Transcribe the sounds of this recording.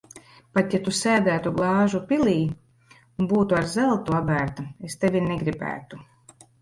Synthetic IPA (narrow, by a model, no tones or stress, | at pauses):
pat̪jat̪usæːd̪æːt̪uɡlˠɑːʒupʲilʲiː | unbuːt̪uaɾzɛlˠt̪uabæːɾt̪aest̪evʲinɛɡɾibæ̰ːt̪u